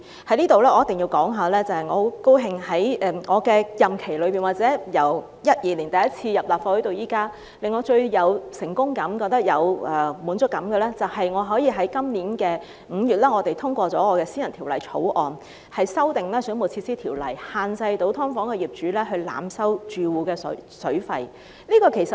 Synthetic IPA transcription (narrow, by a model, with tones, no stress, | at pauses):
hɐ˨˥jliː˥t̪o˨wlɛː˥ɔː˨˧jɐ˥t̪ːɪ˨ŋji˧wkɔː˨˥ŋɦaː˨˧lɛː˥t͡sɐ˨˩hɐ˨˩jŋɔː˨˧ho˨˥ko˥wɦɪ˧ŋhɐ˨˥jɛ˧˩ŋɔː˨˧kɛː˧jɐ˨mkʰe˨˩jlɵ˨˧ɥpiː˨˩nwaː˨t̚t͡sɛː˨˥jɐ˨˩w | jɐ˥t̚jiː˨˩li˨˩nt̪ɐ˨˩jɐ˥t̚t͡sʰiː˧jɐ˨˩p̚laː˨p̚faː˧hɵ˨˥t̪o˨˧wjiː˥kaː˥ | lɪ˨ŋːɔː˨˧t͡ʃɵ˧ɥjɐ˨˧wsɪ˨˩ŋkʊ˥ŋkɐ˨˥mkɔː˧k̚t̪ɐ˥k̚jɐ˨˧wʔɛː˨muː˨˥nt͡sʊ˥kːɐ˨˥mɡɛ˧lɛː˥t͡sɐ˨whɐ˨jŋɔː˨˧ɦɔː˨˥jiː˧ɦɐ˨˥jkɐ˥mniː˨˥nkɛː˧ | ŋ̩ː˨˧jyː˨t̚lɛː˥ŋɔː˨˧t̪e˨jt̪ʰʊ˥ŋkʷɔː˧t͡sɔː˨˥ŋɔː˨˧kɛː˧siː˥jɐ˨˩nt̪ʰi˨˩wlɐ˨˩jt͡sʰo̰˨˥wʔɔː˨n | hɐ˨jsɐ˥wt̪ɪ˨ŋlɛː˥sɵ˨˥nmo˨˩t͡sʰi˧tsiː˥t̪ʰiː˨˩wlɐ̰˨˩jhaː˨˧nt͡sɐ˧jt̪o˨˥wt̪ʰɔ˥ŋfɔː˨˥ŋkɛ˧jiː˨˩p̚t͡ʃyː˨˥lɛː˥ɦɵ˧ɥla̰ː˨˧msɐ˥wt͡ʃyː˨wuː˨˧kɛː˧ssɵ˨˥ɥfɐ̰˨˧j | liː˥kɔː˧kʰe˨˩jsɐ˨˩